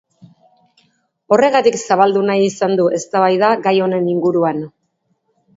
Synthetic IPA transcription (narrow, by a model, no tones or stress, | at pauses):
o̞re̞ɣat̪iksaβald̪unajisand̪uʔe̞st̪aβajðaɡajo̞ne̞niŋɡuɾuan